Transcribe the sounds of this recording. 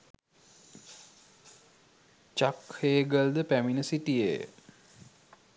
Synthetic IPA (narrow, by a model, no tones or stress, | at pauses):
t͡ʃakheːɡəld̪əpæminəsiʈijḛj̰